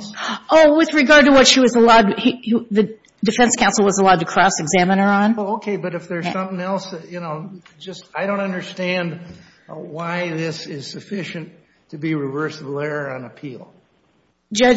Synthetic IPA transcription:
ʔoʊwɨðɹɨɡɑɹd̚təwʌtʃiwʌzəlaʊd̚hiðɨ | dɨfɛ̃nskʰãʊ̃nsl̩ˠwʌzəlaʊd̚tʰɨkʰɹ̥ɔsɨɡzæmə̃nə˞ə̃nwɛlˠoʊkʰeɪbʌɾɨfðə˞sʌ̃mθɪ̃ŋɛlˠsjɨnoʊd͡ʒʌstaɪɾõʊ̃ntʌ̃ndə˞stæ̃nd | waɪðɪsɪz̥sɨfɪʃɨ̃nʰ | ɨbiɹɨvɜ˞sɨbl̩ɛɹə˞ɨ̃nɨpʰil̥ˠ | d͡ʒʌ

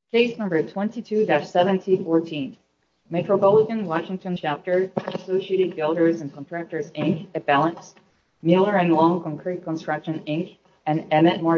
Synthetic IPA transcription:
keɪsnʌ̃mbə˞tʰw̥ɛ̃ntitʰʉdætsɛvɨ̃ntʰifɔɹtʰĩn | mɛt͡ʃɹəpɑlˠəɾɨ̃nwɑʃɪ̃ŋtʰɨ̃nt͡ʃʰæp̚tə˞ɨsoʊʃieɪɾɨd̚bɪlˠdə˞zɨ̃nkʰə̃ntʰɹ̥æk̚tə˞zɪ̃ŋkɨt̚b̥ælˠə̃ns | mɪlˠə˞ɨ̃nlɔ̃ŋkʰɑ̃ŋkʰɹ̥it̚kʰə̃nstɹ̥ʌkʃɨ̃nɪ̃ŋk | ɨ̃nɛmɨt̚mɑ

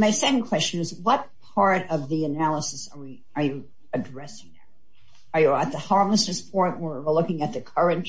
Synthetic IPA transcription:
maɪsɛkn̩kʰw̥ɛst͡ʃɨ̃nɨzwʌt̚pʰɑɹɾʌvðiɨnælˠəsɨsə˞wi | ə˞jɨ | ɨdɹɛsɪ̃ŋðə̰˞ | ə˞jɨət̪̚ðəhɑɹmləsɨsfʰɔɹmwə˞wəlʊkɪ̃ŋɨt̪̚ðɨkʰʌ˞ɨ̃nt

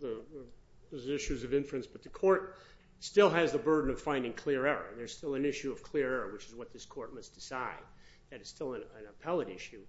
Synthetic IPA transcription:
ðə | ðəzɪʃʉzʌvɪ̃ɱfɹɨ̃nsb̥ʌt̪̚ðɨkʰɔɹt̚ | stɪlˠɨzðəbɜ˞dⁿn̩ʌv̥fãɪ̃ndɪ̃ŋkʰl̥ɪɹɛɹə̰̃˞nðə˞z̥stɪlˠɨ̃nɪʃʉʌv̥kʰl̥ɪɹɛɹə˞wɨt͡ʃɨzwʌt̪̚ðɪskʰɔɹt̚mʌsd̥ɨsaɪd̚ | ðɨɾɨz̥stɪlˠə̃nɨ̃nəpʰɛlˠəɾɪʃʉ

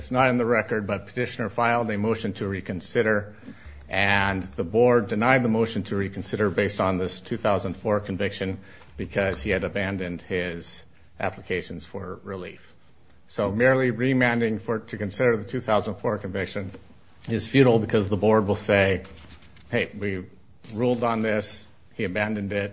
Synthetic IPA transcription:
ɨtsnəɾɨ̃nðəɹɛkə˞d̚bʌt̚pʰə̥tʰɪʃɨnə˞faɪlˠdɨmoʊʃɨ̃ntʰɨɹikɨ̃nsɪɾə˞ | ʔɨ̃nðəbɔɹdɨnaɪd̪̚ðəmoʊʃn̩tʰɨɹikn̩sɪɾə˞beɪstn̩ðɪstʰʉθaʊzə̃n̩̥fɔɹkʰɨ̃ɱvɪkʃɨ̃n | b̥ɨkʰʌz̥iɨɾɨbæ̃ndɨ̃nd̥̚ɪz̥ | ʔæ̰pləkʰeɪʃn̩z̥fə˞ɹilḭf | soʊmɪɹlˠiɹimæ̃ndɪ̃ŋfə˞ɾɨkɨ̃nsɪɾə˞ðɨtʰʉθaʊzənnfɔɹkʰɨ̃ɱvɪkʃɨ̃n | ɪz̥fjʉɾl̩ˠbɨkʰʌzðəbɔɹd̚wəlˠseɪ | heɪʔ̚wi | ɹulˠdn̩ðɪs | hiɨbæ̃ndɨ̃ndɪt̚

